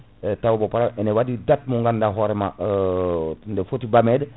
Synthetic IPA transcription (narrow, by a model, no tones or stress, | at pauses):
tawobopaɾamenewadidat̚muŋɡandaɦoɾema | ndefotibamed